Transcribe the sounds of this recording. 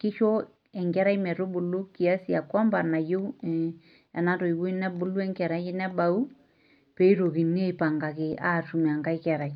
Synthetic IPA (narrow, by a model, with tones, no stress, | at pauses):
kɪ˦ʃo˦ | ɛ˨ŋɡɛ˦ɾa˦jmɛ˨ɾo˦bu˨lu˦ki˨a˦si˨a˨kwa˦mba˨na˨jo˦ | ɛ˨na˦to˨i˨wu˦i˦nɛ˦bʊ˦lu˦ɛ˦ŋkɛ˨ɾa˦jɪ˦nɛ˦ba˨u˦ | pe˦i˦ɾo˨ki˨ni˦e˦˨pa˨ŋɡa˨kɪ˨a̰˦˨tu˨mɛ˨a˨ŋɡa˦i˦kɛ˨ɾa˨j